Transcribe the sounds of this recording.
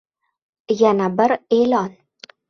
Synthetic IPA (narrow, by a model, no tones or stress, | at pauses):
janabɪɾelɒn